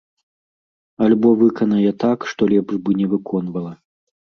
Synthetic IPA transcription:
ɐlʲbɔvɨkɐnɐjɛt̪akʂt̪ɔlʲɛbʐbɨnʲɛvɨkʰɔn̪vɐlˠɐ

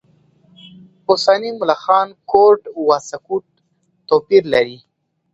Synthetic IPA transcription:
ʊsɑnimʊlaxɑnkoɾʈwɑsakuʈ | t̪opiɾlaɾi

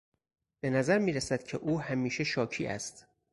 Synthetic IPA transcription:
b̥e̞næzæɾmiːɾæsæd̪̥cʰeʔuːhæmiːʃe̞ʃɒːcʰiːʔæ̰st̪

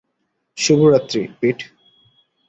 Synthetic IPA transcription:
ʃubʱuɾat̪ːɾḭpiʈʰ

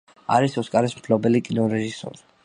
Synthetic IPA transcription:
a̰ɾisɔskʼaɾɛsmpʰlɔbɛlikʼinɔɾɛʒisɔ̰ɾi̥

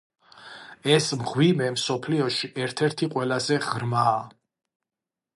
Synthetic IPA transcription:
ɛsmʁwimɛmsɔpʰliɔʃiʔɛɾt̪ʰɛɾt̪ʰiqʼwɛlazɛʁɾmaː

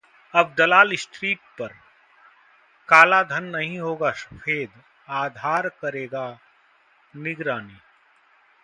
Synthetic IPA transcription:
ɐb̚d̪ɐlaːlɪsʈɾiːʈ̚pɐɾ | kaːlad̪ʱɐnːɐɦĩɦoːɡaʃɐfʰeːd̪ | aːd̪ʱaːɾkɐɾeːɡa | nɪɡɾaːniː

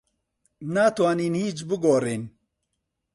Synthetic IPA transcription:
naːt̪waːniːnhiːt͡ʃbɨɡoːɾeːn

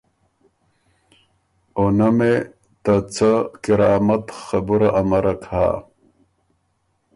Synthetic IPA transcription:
onɐme | t̪at͡sakiɾaːmɐt̪xɐbuɾaʔːmɐɾɐkʰa̰ː

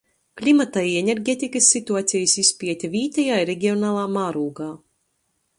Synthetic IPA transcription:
klʲimat̪ajɛnʲeɾɡʲeːt̪ʲikɐsːit̪uaːt̪sʲijisispʲiɛt̪ʲavʲiːt̪ɛjaːiɾeɡʲiɔnaːlˠaːmaːɾuːɡaː

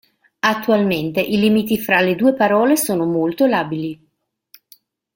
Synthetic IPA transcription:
at̪ːualment̪eʔilimit̪ifɾaled̪uːepaɾɔːlesoːnomolt̪olaːbili

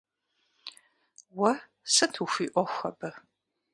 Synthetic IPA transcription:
wɐ | sɨtʰuxʷiːʔʷɔxʷɐ̰bɐ

